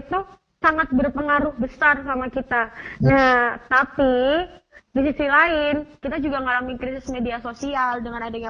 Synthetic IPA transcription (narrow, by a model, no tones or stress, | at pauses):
it̪u | saŋat̪̚bərpəŋaɾʊhbəsarsamakit̪anaht̪api | disisilaɪnkit̪ad͡ʒuɡaŋalamikɾisɪsmediasosialdəŋanadaja